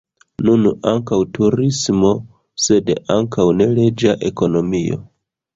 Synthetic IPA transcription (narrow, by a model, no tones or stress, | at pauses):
nunaŋkawtʰuɾismo̞ | se̞daŋkʰawne̞le̞d͡ʒaʔe̞ko̞no̞mio̞̰